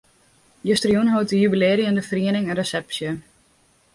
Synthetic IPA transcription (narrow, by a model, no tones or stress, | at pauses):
jøstrijunɦowtəjybileːɾijəndəfriənɪŋɛnresɛpsjə